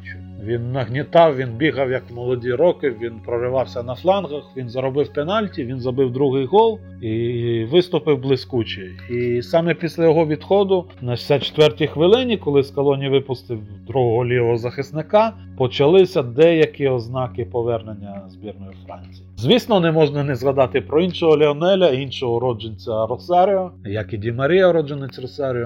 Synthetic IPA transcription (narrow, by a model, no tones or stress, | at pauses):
ʋʲinːɐɦnʲit̪ɑwʋʲinbʲiɦɐwjɐkwmɔlˠɔdʲiɾɔkɪʋʲinpɾɔɾɪʋɑwsʲɐnɐflˠɑnɣɐxʋʲinzɐɾɔbɪwpenɑlʲtʲiʋʲinzɐbɪwd̪ɾuɦɪjɦɔlˠ | iʋɪst̪ʊpɪwblˠɪsʲkut͡ʃɪ | isɑmɛpʲisʲlʲɐjɔɦɔʋʲid̪xɔd̪ʊ | nɐsʲat͡ʃe̥t̪ʋɛrtʲixʋɪlˠɪnʲikɔlˠɪskɐlˠɔnʲiʋɪpʊst̪ɪwd̪ɾuɦɔɦɔlʲijɔɦɔzɐxɪsnɪkɑ | pɔt͡ʃɐlˠɪsʲɐd̪ɛjɐkiɔznɑkɪpɔʋɛrnenʲːɐzbʲirnɔjʊfɾɑ̰nʲt͡sʲiizʲʋʲisnɔnɛmɔʒnɐnɛzɣɐd̪ɑt̪ɪpɾɔinʃɔɦɔlʲɪɔnɛlʲɐinʃɔɦɔɾɔd͡ʒenʲt͡sʲɐɾɔsɑɾʲɪɔjɐkidʲimɐɾʲijɐɾɔd͡ʒenet͡sʲrɔsɑɾʲɪɔ